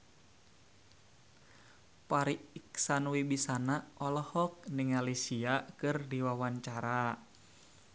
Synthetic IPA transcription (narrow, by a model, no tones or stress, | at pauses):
paɾiiksanwibisanaʔɔlɔhɔk̚niŋalisiakɨrdiwawaɲt͡ʃaɾa